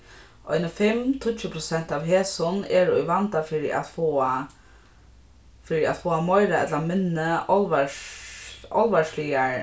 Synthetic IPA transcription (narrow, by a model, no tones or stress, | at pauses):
ʔɔ̰jnəfɪmt̪ʰʊt͡ɕːəpʰɾʊsɛn̥t̪aʋɦeːsʊnɛɾɔ̰jʋant̪afɪːɾiʔa̰t̪fa | fɪːɾia̰t̪foːamɔjɾaɛ̰t̪lamɪnːɪɔlʋa | ɔ̰lʋaʂlijaɹ